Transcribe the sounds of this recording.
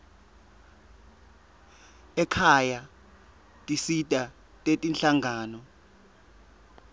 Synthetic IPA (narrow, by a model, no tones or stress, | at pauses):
ɛkʰaja | tʼisitʼa | tʼetʼinɬaŋʱaːnɔ